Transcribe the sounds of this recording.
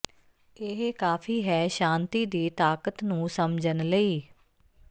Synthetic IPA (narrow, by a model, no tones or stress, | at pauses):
ɪɦkaːpʰiːɦɛːʃãːnt̪iːd̪iːt̪aːkət̪nũːsəmd͡ʒənləiː